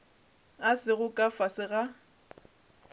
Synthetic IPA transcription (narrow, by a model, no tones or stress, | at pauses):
asɪɣʊkʼafasɪɣa